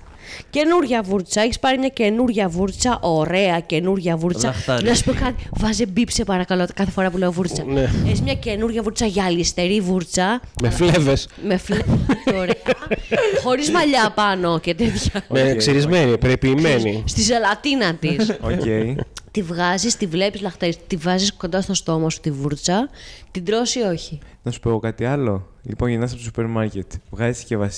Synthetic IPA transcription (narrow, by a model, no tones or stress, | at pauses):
ce̞nuɾʝɐvuɾt͡sɐeçi̥spɐɾimɲɐce̞nuɾʝɐvuɾt͡sɐʔo̞ɾe̞ɐce̞nuɾʝɐvuɾt͡sɐfnɐsu̥pokɐt̪ivɐzebipsepɐɾɐkɐlokɐθefo̞ɾɐpuleovuɾt͡sɐneeçizmɲɐce̞nuɾʝɐvuɾt͡sɐʝɐːlist̪e̞ɾivuɾt͡sɐmeflevesmeflevtoɾeɐxo̞ɾizmɐʎɐpɐno̞ce̞t̪et̪çɐnekseɾizmenipɾepiːme̞nist̪isɐlɐt̪inɐt̪issoceit̪ivɣɐzist̪ivle̞pizlɐxt̪eɾist̪ivɐzisko̞nd̪ɐst̪ost̪o̞mɐsu̥t̪ivuɾt͡sɐt̪id̪ɾo̞sio̞çi | nɐsu̥poɣokɐt̪iɐlo̞ | lipo̞nʝinɐs̬ɐpot̪osu̥peɾmɐɾcet̪vɣɐziscevɐs